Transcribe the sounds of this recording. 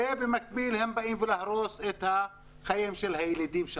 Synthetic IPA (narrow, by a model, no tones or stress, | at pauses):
ebemak̚bilhembaimvelaħɾoset̪ha | χajimʃelhajelid̪imʃa